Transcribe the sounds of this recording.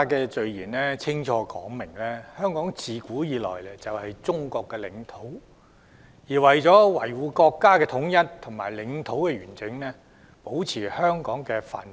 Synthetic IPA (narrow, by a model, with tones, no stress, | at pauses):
kɛː˧t͡ʃɵ˨ɥjiː˨˩nlɛː˥t͡sʰɪ˥ŋt͡ʃʰɔː˧kɔː˨˥ŋmɪ˨˩ŋlɛː˥hœː˥ŋkɔː˨˥ŋt͡siː˨kuː˨˥jiː˨˧lɔ̰ː˨jlɛ˨˥t͡sɐ˨whɐ˨jt͡sʊ˥ŋkɔː˧kːɛː˧lɪ˨˥ŋt̪ʰo˨˥w | jiː˨˩wɐ˨jt͡sɔː˨˥wɐ̰˨˩jwuː˨˧kɔː˧kːaː˥kɛː˧t̪ʰʊ˨˥ŋjɐ˥nt̪ʰʊ˨˩ŋma̰ː˨jlɪ˨˧ŋt̪ʰo˨˥wkɛː˧ɥyː˨˩nt͡sɪ˨˥ŋlɛː˥ | po˨˥wt͡sʰiː˨˩hœː˥ŋkɔː˨˥ŋkɛː˧fa̰ː˨˩n